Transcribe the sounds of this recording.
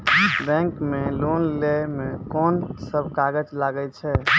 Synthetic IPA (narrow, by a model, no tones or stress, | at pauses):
bɛ̃ŋkmelonlemekɔnsəbʱkaɡəd͡ʒlaɡət͡ʃʰɛ